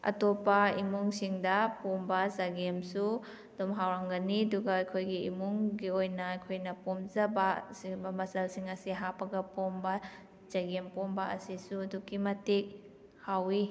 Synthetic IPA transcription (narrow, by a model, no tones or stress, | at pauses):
ɐ̰topːɐimuŋsiŋdɐpombɐzaɡemsu | domɦawɾaŋɡɐniɐduɡaːjkʰojɡiimuŋɡiojnɐːjkʰojnɐpomzɐbasibɐmɐsɐlsiŋɐsiɦapɐɡɐpombɐ | z̥aɡempombɐɐsisudukimɐtik̚ | hawi